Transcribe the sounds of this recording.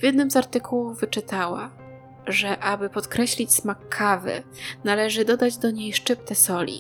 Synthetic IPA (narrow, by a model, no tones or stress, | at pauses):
vʲjɛd̪nɘmzaɾt̪ɘkʰuwuvɘt͡ʂɘt̪awa | ʐɛʔabɘpɔt̪kɾɛɕlʲit͡ɕsmakʰːavɘ̰nalɛʐɘd̪ɔd̪ad͡ʑd̪ɔɲejʂt͡ʂɘp̚t̪ɛsɔlʲḭ